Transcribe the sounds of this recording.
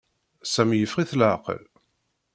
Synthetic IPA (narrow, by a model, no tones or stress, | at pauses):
sæmjəfʁiθlʕqə̰l